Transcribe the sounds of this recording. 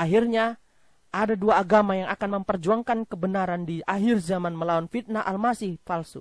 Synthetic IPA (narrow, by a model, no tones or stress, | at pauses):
ʔaɦirɲa | ʔadaduaːɡamajaŋʔakanməmpərd͡ʒuaŋkankəbənaɾandiʔaɦɪrzamanməlawanfit̪̚naʔalmasɪhfalsu